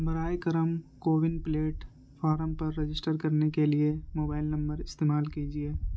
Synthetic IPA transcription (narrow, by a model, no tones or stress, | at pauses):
bɐɾaːjkɐɾəmkoːʋɪnpɪleːʈ | fʰaːɾəmpɐɾːɐd͡ʒɪsʈəɾkɐɾnekeliemoːbaːɪlnɐ̃mbəɾɪst̪eːmaːlkiːd͡ʒieː